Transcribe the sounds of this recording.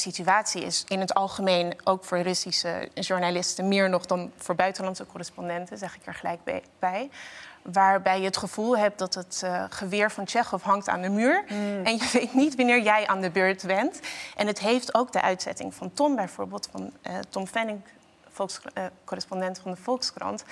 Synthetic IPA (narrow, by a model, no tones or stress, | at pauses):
sityaːtsiɪ̰sɪnɦətɑlˠχəmejnʔowkfʊːɹrɵsisə̰ʒuɹnalɪstəmɪːɹnɔχdɑnv̥ʊːɹbœɥtənlɑntsəkɔrɪspɔndɛntəzɛχɪkɛɹχəlɛjk̚ | b̥ɛjʋaːɹbɛjəɦətχəv̥ulˠɦɛp̚dɑtɦətχəʋɪːɹvɑnt͡ʃɛχɔfɦɑŋk̚ta̰ːndəmyːɹɛnjəʋejtnitʋɑnɪːɹjɛjʔaːndəbøːɹtbɛntʔɛnɦətɦejftowkdəʔœ̰ɥtsɛ̰tɪ̰ŋvɑntɔmbɛjvʊ̰ːɹbɪːlˠtfɑntɔmfɛnɪŋˠ | skɔrɪspɔndɛntfɑndəvɔlˠkskrɑ̰nt